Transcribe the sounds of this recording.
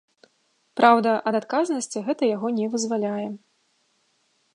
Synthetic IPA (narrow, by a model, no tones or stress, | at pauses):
pɾʔawd̪ɐʔɐd̪at̪kaznɐsʲt͡sʲiɣɛt̪ɐjaɣɔnʲɛvɨzvalʲajɛ